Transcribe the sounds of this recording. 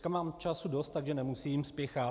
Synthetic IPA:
kamaːmt͡ʃasudo̞st̪t̪aɡʒɛnɛmusiːmspjɛxa

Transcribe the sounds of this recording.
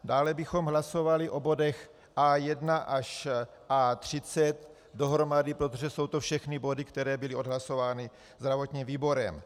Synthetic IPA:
daːlɛbɪxo̞mɦlaso̞valɪʔo̞bo̞dɛx | ʔaːjɛdnaʔaʃ | ʔaːt̪r̝̥ɪt͡sɛt̪ | do̞ɦɾo̞madɪpɾo̞t̪o̞ʒɛso̞wt̪ofʃɛxnɪbo̞dɪkt̪ɛɾɛːbɪlɪo̞dɦlaso̞vaːnɪ | zd̪ɾavot̪ɲiːmviːbo̞ɾɛm

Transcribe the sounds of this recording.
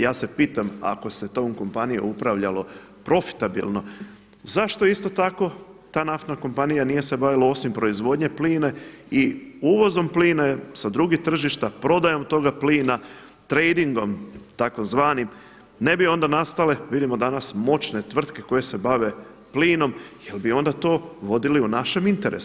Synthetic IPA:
jaːse̞piːt̪ama̰ko̞se̞t̪omko̞mpanijo̰upɾaʋʎalo̞ | pɾo̞fi̥t̪abḭlˠno̞ | zaʃt̪o̞ist̪o̞t̪ako̞ | t̪aːnaft̪nako̞mpanijanije̞se̞baʋilao̞simpɾo̞izʋo̞d̪ɲe̞pliːneiuʋo̞zo̞mpliːnasad̪ɾuɡit̪r̩ʒiʃt̪apɾo̞d̪ajo̞mt̪o̞ɡapliːna | t̪ɾejd̪iŋɡo̞mt̪akomzʋaːnim | ne̞bio̞nd̪anast̪aleʋid̪imo̞d̪anasmo̞t͡ʃne̞t̪ʋr̩t̪ke̞ko̞je̞se̞baʋe̞ | pliːno̞mje̞lbio̞nd̪at̪o̞ːʋo̞d̪iliunaʃe̞mint̪e̞ɾḛsu

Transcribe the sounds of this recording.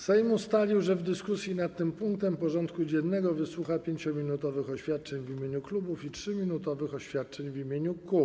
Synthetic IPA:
sɛjmust̪alʲiwʐɛvd̪ɘskusʲjinat̪̚ːɘmpuŋk̚t̪ɛmpɔʐɔnt̪kud͡ʑɛnːɛɡɔvɘswuxapʲjeɲt͡ɕɔmʲinut̪ɔvɘxɔɕfʲjat̪̚t͡ʂɛɲvimʲeɲuklubufitʂɘmʲinut̪ɔvɘxɔɕfʲjat̪̚t͡ʂɛɲvimʲjeɲuku

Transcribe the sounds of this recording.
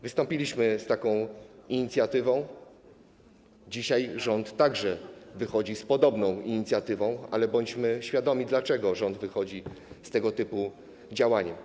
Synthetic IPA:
vɘst̪ɔmpʲilʲiɕmɘst̪akɔ̃w̃iɲit̪sʲjat̪ɘvɔ̃w̃ | d͡ʑiɕajʐɔnt̪ːaɡʐɛvɘxɔd͡ʑispɔd̪ɔbnɔ̃w̃iɲit̪sʲjat̪ɘvɔ̃w̃a̰lɛbɔɲt͡ɕmɘɕfʲjad̪ɔmʲid̪lat͡ʂɛɡɔʐɔnd̪vɘxɔd͡ʑist̪ɛɡɔt̪ɘpu | d͡ʑawaɲɛm

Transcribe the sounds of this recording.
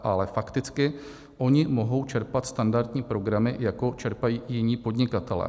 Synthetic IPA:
ʔalɛfakt̪ɪt͡skɪ | ʔo̞ɲɪmo̞ɦo̞wt͡ʃɛɾpat̪st̪andaɾd̪ɲiːpɾo̞ɡɾamɪ̰jako̞t͡ʃɛɾpajiːjɪɲiːpo̞dɲɪkat̪ɛlɛ̰ː

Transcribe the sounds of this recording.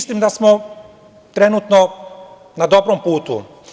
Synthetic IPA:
slimd̪asmo | t̪ɾenut̪no | nad̪o̞bɾompuːt̪ṵ

